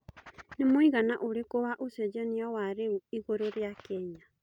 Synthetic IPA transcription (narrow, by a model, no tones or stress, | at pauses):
nemoiɣanaʔoɾekoβaʔosɛd͡ʒɔniawaɾeuiɣoɾoɾjakɛɲa